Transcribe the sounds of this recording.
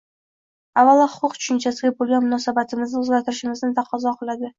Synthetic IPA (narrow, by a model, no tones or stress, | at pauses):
avalɒhʊ̥qʰʊqtt͡ʃʰʊ̥ʃʊnt͡ʃʰasɪɡʲabolˠɡʲanmʊnɒsabat̪ʰɪmɪznɪʊzɡʲat̪ʰɪɾɪʃɪmɪznɪt̪ʰaqʰɒzɒqʰɨlˠad̪ɪ